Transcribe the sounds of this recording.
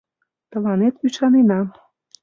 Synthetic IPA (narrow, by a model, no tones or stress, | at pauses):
t̪ɤ̆lɑnet̪yʃɑnenɑ